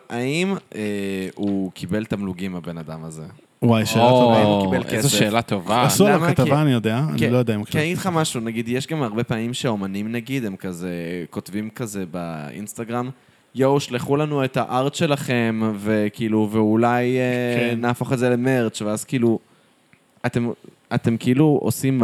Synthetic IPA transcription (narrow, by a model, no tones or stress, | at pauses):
aimeukʰibe̞lt̪amluɡimabe̞nadamaze̞ | wajʃeoaakibelkeeʃeːlat̪o̞vaasulamkat̪avaːnijod̪ea̰nkilojod̪aimkkid̪χamaʃunaɡid̪jeʃɡamaʁbe̞paːmimʃeomanimnaɡid̪e̞mkazeko̞tvimkaze̞ba̰ḭnst̪aɡʁam | jowʃleχulanue̞t̪aʔaʁt͡sʃe̞laχe̞mve̞kiiːluveulajenaːfoχezeleme̞ʁt͡ʃveazkiilu | at̪e̞m | at̪e̞mkeiluo̰sim